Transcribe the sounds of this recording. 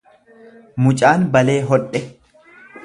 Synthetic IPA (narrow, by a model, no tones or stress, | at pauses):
mʊt͡ʃʼaːnbɐle̞ːɦɔᶑɛ